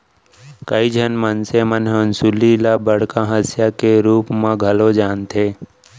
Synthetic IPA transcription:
kəid͡ʒʱənmənsemənɦənsulilabəɽ̤kãɦəsjakeɾuːpmãɡʱɐlod͡ʒaːnt̪eː

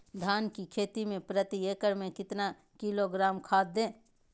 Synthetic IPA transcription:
d̪ʱaːnkikʰeːt̪imẽpɾət̪ieːkəɾmẽkɪt̪na | kiloɡɾaːmkʰaːd̪̚d̪ẽː

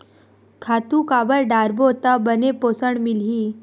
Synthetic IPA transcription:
kʰaːt̪ũkaːbəɾɖaːɾbot̪abənepoːsəɽ̃mɪlɦiː

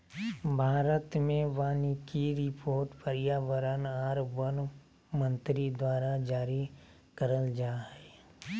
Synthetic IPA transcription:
bʱaːɾət̪mẽʋaːnikiɾɪpʰoːɾʈpəɾɪjaːʋəɾənaːɾbən | mə̃nt̪ɾid̪waːɾad͡ʒaːɾi | kəɾəld͡ʒaːɦɛː

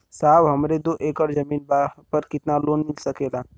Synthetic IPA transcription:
saːʋɦɐmɾed̪oʔeːkəɽd͡ʒəmiːnbapəɾkɪt̪naloːnmɪlsəkeːlaː

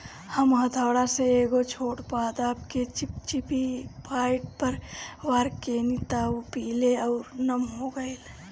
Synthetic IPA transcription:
həmɦət̪ʰaːɽaseeːɡot͡ʃʰoːɽpaːd̪aːpket͡ʃpt͡ʃipipaːɪʈpəɾʋaːɾkeːnit̪aːpiːleɔʊɾnəmɦoɡəil

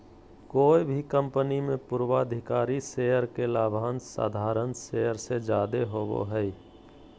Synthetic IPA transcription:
koːibʱikə̃mpənimẽpʊɾwad̪ʱɪkaːɾisejəɾkelaːbʱaːnsa̰ːd̪ʱaːɾənsejəɾsed͡ʒaːd̪eɦobo̰ɦɛi

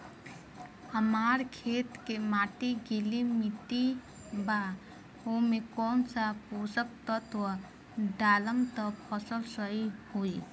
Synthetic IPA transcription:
əmaɾkʰet̪kemaʈiɡilimit̪i | ba | omekɔnsaposək̚t̪ət̪wə | ɖaləmt̪əpʰəsəlsəihui

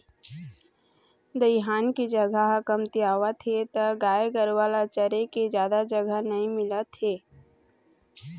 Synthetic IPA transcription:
d̪əɪɦaːnkid͡ʒɐɡʱaɦkəmt̪iaːʋat̪ʰet̪ɐɡaːeɡəɾʋaːlat͡ʃəɾeked͡ʒjaːd̪ad͡ʒɐɡʱənɐɦĩmɪlat̪eː

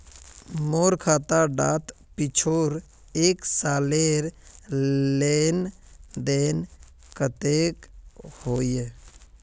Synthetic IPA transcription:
moːɾkʰaːt̪aɖaːt̪ | pɪt͡ʃʰoːɾ | eːksaːleɾ | leːn | d̪eːn | kət̪eːkhoːje

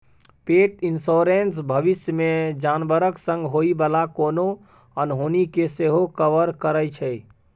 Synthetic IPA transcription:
peːʈinsoːɾensbʱəʋɪsjəmẽd͡ʒaːnbəɾəksə̃ŋɡɦoːibəlakoːno | ənɦoːnikeseɦokəʋəɾkəɾəjt͡ʃʰɛ

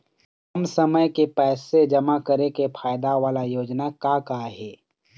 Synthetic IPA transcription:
ɐmsɐməjkepɛːsed͡ʒɐmakɐɾekefʰaːjd̪aʋaːlajoːd͡ʒnakakaɦɛː

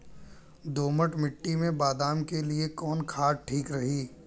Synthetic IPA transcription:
d̪oːməʈmɪʈːimẽbaːd̪aːmkeliekɔːnkʰaːɖ̚ʈʰiːkɾɐɦiː

